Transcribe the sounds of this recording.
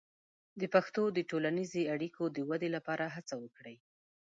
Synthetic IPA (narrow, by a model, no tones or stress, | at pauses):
d̪əpaxt̪od̪əʈolanizeaɽikʰod̪əwad̪elapɑɾaɦat͡sawəkɽəj